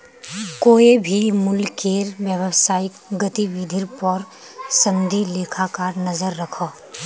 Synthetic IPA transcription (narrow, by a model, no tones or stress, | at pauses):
koːebʱimʊlkeːɾwjəwəsaːɪkɡət̪iwid̪ʱɪɾpɔɾ | sɐ̃md̪ʱileːkʰakanɐzəɾːɐkʰaː